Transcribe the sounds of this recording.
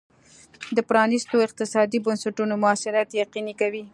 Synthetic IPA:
d̪əpɾɑnɪst̪oɪq̚t̪ɪsɑd̪ibansaʈunomʊɑsɪɾat̪jaqinikawi

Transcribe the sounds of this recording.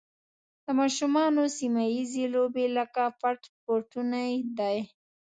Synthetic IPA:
d̪̥əmɑʃumɑnosimajizelobeləkafaɾʈ̪poɾʈunajd̪aj

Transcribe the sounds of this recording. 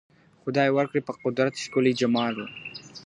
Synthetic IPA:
xʊd̪ɑːjewaɾkɽepəqʊd̪ɾat̪ʃkʊlid͡ʒamɑːɾu

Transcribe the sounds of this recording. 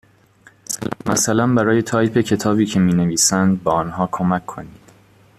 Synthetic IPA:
mæ̰sælænbæɾɒːje̞t̪ʰɒːjpʰe̞cʰe̞t̪ʰɒːbiːcʰe̞miːne̞viːsænd̪̚bɒːɒːnɦɒːkʰomækʰːo̞̰niːd̪̥

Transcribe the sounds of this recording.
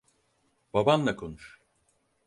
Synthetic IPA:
babanlˠakʰo̞nuʃ

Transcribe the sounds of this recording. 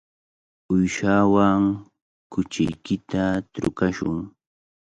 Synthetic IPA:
ʊjʃawaŋ | kʊt͡ʃɪjkɪt̪at̪ɾʊ̰kaʃʊ̰ŋ

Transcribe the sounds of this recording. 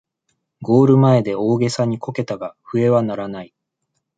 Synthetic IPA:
ɡo̞ːɾɯ̟mae̞d̪e̞o̞ːɡe̞saɲ̟ikʰo̞ke̞t̪aɡaɸɯ̟e̞βanaɾanai

